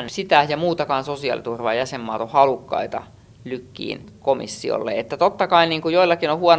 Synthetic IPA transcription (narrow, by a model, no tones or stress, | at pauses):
sit̪æhjɑmuːt̪ɑkɑːnsosiɑ̰lit̪urʋɑːjæsemːɑːt̪ohɑlukːɑ̰it̪ɑ̰ | lykːḭːnkomḭsːio̰lːḛet̪ːæt̪ot̪ːɑkɑiniːŋkujoilːɑkinohuɑn